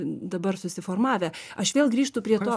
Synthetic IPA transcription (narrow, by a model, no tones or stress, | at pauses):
d̪ɐbɐrsʊsʲɪfoːrmɑːʋʲɛ | ɐʃʋʲeːlˠɡɾʲiːʃt̪ʊpʲɾʲiɛt̪oː